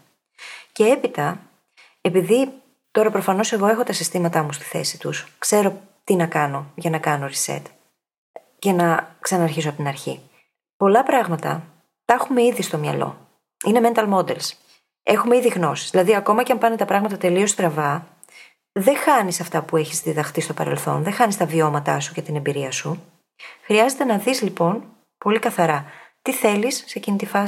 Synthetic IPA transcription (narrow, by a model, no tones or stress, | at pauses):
ce̞e̞pit̪ɐ | e̞piði | t̪o̞ɾɐpɾo̞fɐno̞se̞ɣo̞e̞xo̞t̪ɐsist̪imɐt̪ɐmust̪i̥θe̞̰si̥t̪uskse̞ɾo̞ | t̪inɐkɐno̞ʝɐnɐkɐnoɾisḛt̪ | cenɐksɐnɐːɾçisopot̪inɐɾçi | po̞lɐpɾɐɣmɐt̪ɐ̰ | t̪ɐxume̞iðist̪o̞mɲɐ̰lo̞̰ | ine̞me̞nt̪ɐlmo̞d̪e̞ls | e̞xume̞iðiɣno̞si̥zðilɐðiɐko̞mɐceɐmpɐnet̪ɐpɾɐɣmɐt̪ɐt̪e̞lio̞st̪ɾɐvɐ | ðe̞xɐnisɐft̪ɐpue̞çizðiðɐxt̪ist̪o̞pɐ̰ɾe̞̰lθo̞̰nðe̞xɐnist̪ɐvio̞mɐt̪ɐ̰sucet̪ine̞mbiɾiɐsu | xɾiɐze̞t̪enɐðizlipo̞n | po̞likɐθɐɾɐt̪iθe̞lisːecinit̪ifɐ